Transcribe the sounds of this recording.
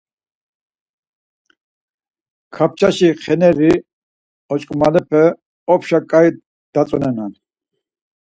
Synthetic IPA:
kʰap̚t͡ʃʰaʃiχɛnɛɾi | ɔt͡ʃʼkʼmalɛpʰɛ | ɔpʰʃakʼaj | d̪̥at͡sʼɔnɛnan

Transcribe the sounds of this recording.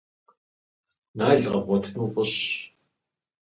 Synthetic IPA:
naːɮʁɐ̰bʷɔtʰnuːpʷʼʊɕ

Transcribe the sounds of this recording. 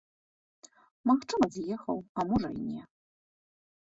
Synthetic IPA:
maxt͡ʂɨmɐzʲjɛxɐ̰wamuʐɐ̰inʲɛ

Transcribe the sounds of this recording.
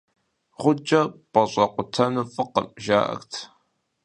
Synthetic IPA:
ʁʷʊd͡ʒʼɐpʼɐɕʷʼɐqʷʊtʰɐnufɨqə̰mʒaːʔɐ̰xtʰ

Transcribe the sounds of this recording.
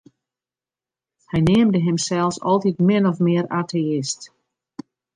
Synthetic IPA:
hɛjneːəmdəɦɪmsɛlˠsɔ̰lˠtitmɪnɔfmɪəɾaːtʰeɪst

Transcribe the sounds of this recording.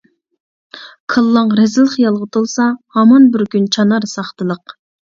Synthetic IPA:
kʰəlˠːɑŋɾɛzɪlˠəχjɑlˠʁət̪ʰulˠsɑhɑmɑnbɪɾkʲynt͡ʃʰɑnɑɾsɑχt̪ɨlˠəq

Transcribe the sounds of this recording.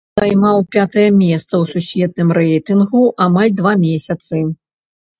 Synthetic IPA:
zajmawpʲat̪ɐjɐmʲɛst̪sɐwsusʲvʲɛt̪̚nɨmɾɛjt̪ɨnɣuʔamalʲd̪vamʲɛsʲɐt̪sɨ

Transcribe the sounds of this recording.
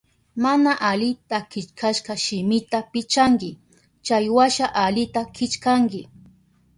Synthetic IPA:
manaʔalɪt̪akɪt͡ʃkʰaʃqɑʃɪmɪt̪apɪt͡ʃaŋkɪ | t͡ʃajwaʃaʔalɪt̪akʰɪt͡ʃkaŋkɪ

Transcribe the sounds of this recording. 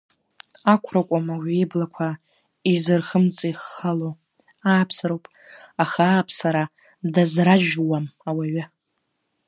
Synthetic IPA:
akʷʰrakʷʼamawejblakʷʰa | izɨrχəmt͡sʼaiχːalo | aːpʰsɨɾowpʼ | aχaːpʰsaɾa | dazraʒᶣwamawaɥa

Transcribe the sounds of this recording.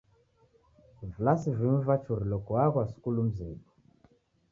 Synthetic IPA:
vulasiviɱvat͡ʃuɾilɔkuwaɣwasu̥kulum̩zibɔ

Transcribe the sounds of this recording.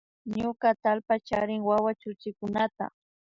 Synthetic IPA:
ɲʊkat̪alpat͡ʃaɾɪŋwawat͡ʃʊt͡ʃɪkʊnat̪a̰

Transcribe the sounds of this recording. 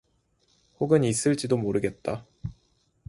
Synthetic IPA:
hoɡɯnis͈ɯɭt͡ɕ͈idomoɾɯɡe̞t̚t͈a

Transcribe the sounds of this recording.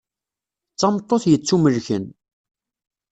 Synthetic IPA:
t͡sːɑmt̪ˤːoθjət͡sːuməlçə̰n

